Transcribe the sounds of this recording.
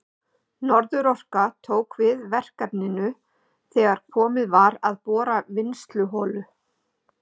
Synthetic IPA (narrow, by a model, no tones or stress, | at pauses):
nɔɾðʏɾɔr̥kat̪ʰoːwkvɪðvɛr̥kap̪nɪnʏ | θɛːɣaɾ̥kʰɔːmɪðvaɾaðpɔːɾavɪnst̪lʏɦɔːlʏ